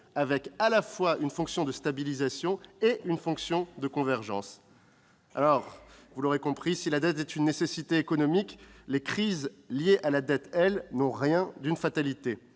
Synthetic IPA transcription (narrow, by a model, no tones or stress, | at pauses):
avɛkalafwaʔynfɔ̃ksjɔ̃d̪əst̪abilizasjɔ̃eynfɔ̃ksjɔ̃d̪əkɔ̃vɛʁʒɑ̰̃s | a̰lɔʁvulɔʁekɔ̃pχisilad̪ɛt̪ɛt̪ynːesesit̪eːkɔnɔmiklekχizljeʔalad̪ɛt̪ɛlnɔ̃ʁjɛ̃d̪ynfat̪alit̪e